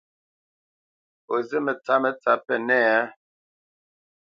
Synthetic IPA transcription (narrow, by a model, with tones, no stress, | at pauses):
o˨zə˦mə˨t͡sa˨˦mə˨t͡sa˨˦pɛ˦˨nɛ˦˨a˦